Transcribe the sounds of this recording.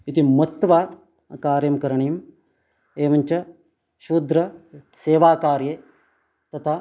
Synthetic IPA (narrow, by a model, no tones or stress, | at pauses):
it̪imɐt̪ːʋaː | kaːɾjɐmkɐɾɐɳɐjɐm | eːʋɐɲt͡ʃɐ | ʃuːd̪ɾɐ | seːʋaːkaːɾje | t̪ɐt̪ʰaː